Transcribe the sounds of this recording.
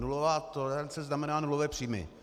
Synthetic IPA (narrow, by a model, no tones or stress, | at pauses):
nulovaːt̪oɾant͡sɛznamɛnaːnulovɛːpr̥iːmɪ̰